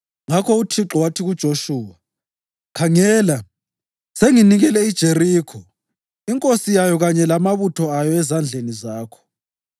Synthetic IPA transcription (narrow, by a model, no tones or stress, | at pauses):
ŋakʰɔutʰiǁɔwatʰiɣud̥ʒ̥ʱoʃuːwa | kʰaŋɛːla | seŋiniɣɛlɛid̥ʒ̥ʱeriːkʰɔ | iŋkʼosijajɔɣaɲɛlamaβutʰɔajɔɛzand͡ɮʱenizaːkʰɔ̥